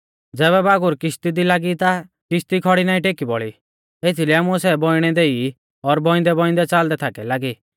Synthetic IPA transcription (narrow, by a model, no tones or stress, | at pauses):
d͡zɛːβɛbaːɡʊɾkɪʃt̪id̪ilaɡit̪a | kɪʃt̪ikʰɔɽinaːĩʈekibɔɭi | et̪ʰilɛamuɛsɛbɔiɽ̃ɛd̪ei | ɔɾbɔ̃ɪ̃nd̪ɛbɔ̃ɪ̃nd̪ɛt͡sald̪ɛt̪ʰakɛlaːɡi